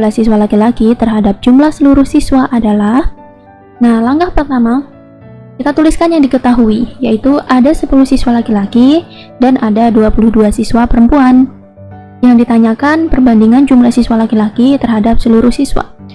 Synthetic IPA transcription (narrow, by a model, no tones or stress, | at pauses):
lahsiswalakilakit̪ərɦadap̚d͡ʒumlahsəluɾʊhsiswaʔadalah | nahlaŋɡahpərt̪ama | kit̪at̪uliskanjaŋdikət̪aɦuijait̪uʔadasəpulʊhsiswalakilaki | danʔadaduapuluhduasiswapəɾəmpuan | jaŋdit̪aɲakanpərbandiŋand͡ʒumlahsiswalakilakit̪ərɦadapsəluɾʊhsiswa̰